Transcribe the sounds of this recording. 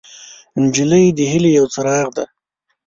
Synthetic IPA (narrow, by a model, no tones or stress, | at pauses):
nd͡ʒɪləjd̪əɦɪlejawt͡saɾɑɣd̪a